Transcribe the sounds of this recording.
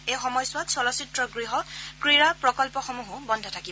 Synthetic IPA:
ejxɔmɔjsʊwatsɔlɔsitɹɔɡɹiɦɔkɹiɹapɹɔkɔlpɔxɔmuɦʊ̃bɔndʱɔtʰakib

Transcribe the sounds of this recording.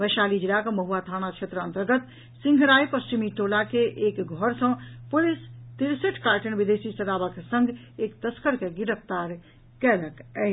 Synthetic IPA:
ʋəʃalid͡ʒilakməɦuat̪ʰanat͡ʃʰet̪ɾəənt̪əɾɡət̪ | sĩŋɡʱɾajpəst͡ʃimiʈolakeʔekɡʱɔɾsə̃pulist̪iɾseʈʰkaɾʈənbid̪esisəɾabəksə̃ŋɡ | ekt̪əskəɾkeɡiɾəp̚ʰt̪aɾ | kɛləkɛɦt͡ʃ

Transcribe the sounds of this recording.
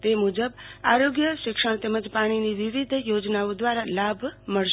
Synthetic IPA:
t̪emud͡ʒəba̰ɾoɡjəʃikʂəɳ̃t̪eməd͡ʒpaɽ̃iniʋiʋid̪ʱjod͡ʒnaod̪waɾalabʱməɽʃ

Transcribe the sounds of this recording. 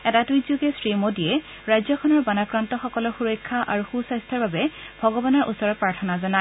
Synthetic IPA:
ɛtatuzoɡɛsɹimodiɛ | ɹajzɔkʰɔnɔɹbanakɹantɔxɔkɔlɔɹxuɹɔjkʰːaʔaɹuxusajst̪ʰaɹbabɛbʱɔɡɔbanɔɹʔṵsɔɹɔpɹaɹtʰɔnazɔna

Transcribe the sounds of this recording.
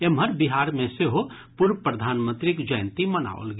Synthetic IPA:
emɦəɾbiɦaːɾmẽseɦo | pʊɾpɾəd̪ʱaːnmə̃nt̪ɾikd͡ʒəjnt̪iməna̰o̰lɡ

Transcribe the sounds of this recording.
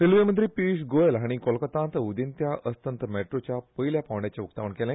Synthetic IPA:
silʋemənt̪̬ɾiːpiʂɡojelɦaɽ̃ikɔlkət̪ãnt̪əud̪ənt̪jaʔəst̪ənt̪meʈɾot͡ɕjapəiljapaʋɳɖat͡ɕeukt̪aʋəɳkelẽ

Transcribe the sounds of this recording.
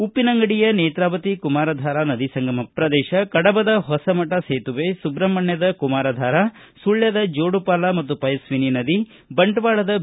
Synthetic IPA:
upːinɐŋɡɐɽijɐneːt̪ɾaːʋɐt̪ikumaːɾɐd̪ʱaːɾanɐd̪isɐŋɡɐmɐpɾɐd̪ɛːʃɐkɐɽɐbɐd̪ɐɦɔsɐmɐʈɐseːt̪uʋesubɾɐmːɐɳjɐd̪ɐkumaːɾɐd̪ʱaːɾa | suɭjɐd̪ɐd͡ʒoːɽupaːlɐmɐt̪ːupɐjɐsʋininɐd̪i | bɐɳʈʋaːɭɐd̪ɐ

